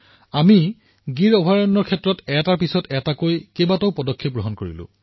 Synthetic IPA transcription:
ami | ɡiɹɔbʱaɹɔnːɔɹkʰɛtɹɔtɛtaɹpisɔtɛtakojkebatoʊpɔdɔkʰːep̚ɡɹoɦɔnkoɹḭlʊ̰̃

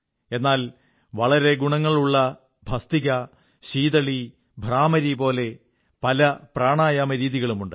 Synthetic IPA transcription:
e̞nːaːl | ʋɐɭɐɾe̞ɡuɳɐŋːɐɭuɭːɐ | bʱɐst̪iɣɐ | ɕiːðɐɭi | bʱraːmɐɾipo̞ːle̞ | pɐlɐpraːɳaːjaːmɐɾiːðiɣɐɭumuɳɖɨ

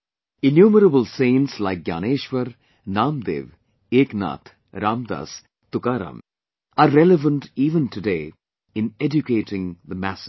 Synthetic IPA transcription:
ɪnjuːməɾəbəlsẽːnʈslaɪk̚ɡja̰ːneːʃʋəɾ | naːmd̪ḛːʋ | eːkna̰ːt̪ʰ | ɾʔãːmd̪a̰ːs | t̪ʊkaːɾa̰ːm | aɾɾɛləʋə̃nʈiːʋə̃nʈudeː | ɪ̃nɛd͡ʒʊkeːʈɪ̃ŋd̪əmæsə̥

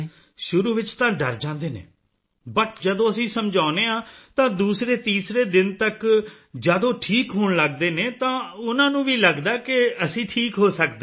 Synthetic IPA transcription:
ʃʊɾuːʋɪt͡ʃt̪ãːɖəɾd͡ʒãːnd̪eːnḛː | bəʈd͡ʒəd̪õːəsĩːsəmd͡ʒaːneːãːt̪ãːd̪uːsɾeːt̪iːsɾeːd̪ɪnt̪ək | d͡ʒəd̪õːʈʰiːkɦʊɳləɡd̪eːneːt̪ãːʊnãːnũːʋiːləɡd̪aːkɪəsĩːʈʰiːkɦoːsəkd̪eː

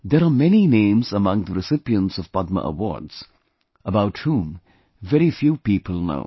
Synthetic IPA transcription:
d̪ɛɾamɛninẽɪ̃mzəmʌ̃ŋd̪əɾɪsɪpiə̃ntsɔv̥pʌd̪̚mə̰ʔə̰wɔ̰ɹdz̥ | əbaʊthũm | vɛɾifjuːpiːpəlˠno̰ʊ

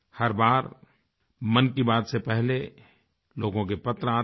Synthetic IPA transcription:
hɐɾbaːɾ | mɐnkibaːt̪sepɛɦle | loːɡõk̬epɐt̪ɾaː

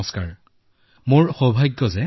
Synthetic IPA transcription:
ɔskaɹ | moɹxɔbʱajɡːɔzɛ

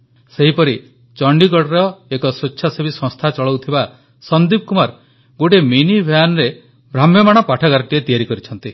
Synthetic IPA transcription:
seɦipɔɾi | t͡ʃɔɳɖikɔɽɾɔekɔsot͡ʃːt͡ʃʰasebisɔ̃st̪ʰat͡ʃɔɭɔwt̪ʰiba | sɔnd̪ib̚kumaɾ | ɡoʈeminibʱjanɔɾe | bɾamjɔmaɽ̃ɔpaʈʰɔkaɾɔʈiet̪ijaɾikɔɾit͡ʃʰɔnt̪i

